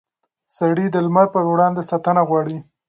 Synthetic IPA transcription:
saɽid̪əlmaɾpəɾwɽɑnd̪esat̪anaɣwɑɽi

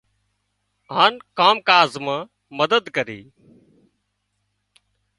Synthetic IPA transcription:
ɦaːnkaːmkaːzmãː | məd̪əd̪kəɾḭː

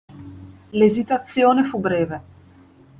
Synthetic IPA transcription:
lezit̪at̪sːjoːnefubɾɛːve

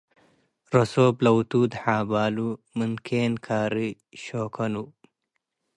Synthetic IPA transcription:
ɾosoːblɐwt̪uːd̪haːbaːlumunkʰenkʰaːɾi | ɕoːkʰɐnu

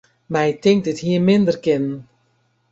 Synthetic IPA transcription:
mɛjtɪŋk̚dɪtɦiːrmɪndərkɪnn

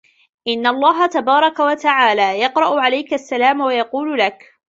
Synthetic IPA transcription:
ʔɪnːalˤːɑːɦat̪abɑːɾˤɑkawat̪aʕaːlaːjɑqɾˤɑʔʊʕalajkaasːalaːmwajɑquːllak

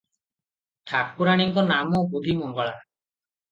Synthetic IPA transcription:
t̪ʰakkuɾaɽ̃iŋkɔnamɔkud̪ʱimɔŋɡɔɭa

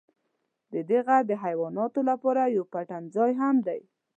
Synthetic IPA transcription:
d̪əd̪eɣaɾd̪əɦajwɑnɑt̪olapɑɾajawpaʈanzɑjɦamd̪aj

